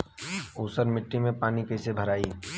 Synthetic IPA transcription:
uːsəɾmɪʈːimẽpaːnikɛːsebʱəɾaːi

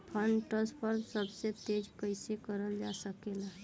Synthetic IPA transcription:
pʰəɳɖʈəspʰəɾmsəbset̪ed͡ʒkəɪsekəɾəld͡ʒasəkela

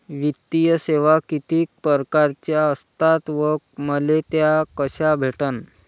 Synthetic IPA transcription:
ʋit̪ːijəseʋakit̪iːk̚pəɾkaɾt͡ɕjaəst̪at̪ʋək̚məlet̪jakəɕabʱeʈən

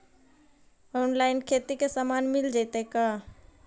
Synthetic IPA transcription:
oːnlaɪnkʰet̪ikesamaːnmɪld͡ʒaɪt̪eka

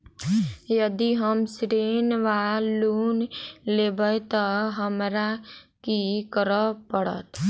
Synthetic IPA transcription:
jəd̪iɦəmsɾeːnʋaluːnlebət̪əɦəmɾa | kikəɾəpəɽə̰t̪

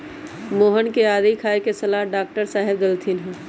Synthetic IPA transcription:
moːɦənkeaːd̪ikʰaːekesɐlaɦɖaːk̚ʈəɾsaːɦebd̪ɐlt̪ʰinɦɛ̃

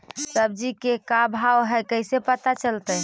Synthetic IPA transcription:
səb̚d͡ʒikekabʱawɦɛjkəɪsepət̪at͡ʃəlt̪ə

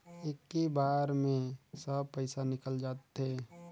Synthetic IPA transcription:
ekːebaːɾmẽsəb̚pəɪsanɪkəld͡ʒaːt̪ɦeː

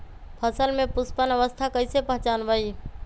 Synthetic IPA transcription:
pʰəsəlmepuspənəʋəst̪ʰakəjsepəɦt͡ʃanbəj

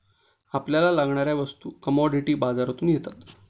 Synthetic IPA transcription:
apljalalaɡɳaɾjaʋəst̪uːkəmɔɖiʈiːbad͡zaɾt̪uːnjet̪at̪

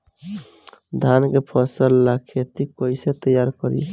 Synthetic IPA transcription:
d̪ʱankepʰəsəlːakʰet̪ikoiset̪əjaɾkəɾḭḛ

